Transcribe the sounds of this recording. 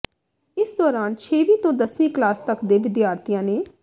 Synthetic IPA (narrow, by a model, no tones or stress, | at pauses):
ɪsd̪ɔːɾaːnt͡ʃʰeːʋĩːt̪õːd̪əsʋĩːklaːst̪əkd̪eːʋɪd̪jaːɾt̪ijãːneː